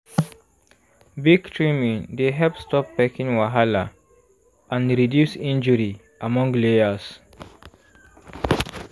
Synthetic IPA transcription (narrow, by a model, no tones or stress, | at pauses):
biɡtʰɹimĩŋd̪eɦɛlpstɔpːɛkĩŋwaɦala | ʔãnɹidjusĩnd͡ʒuɹi | ʔamɔ̃ŋɡleəs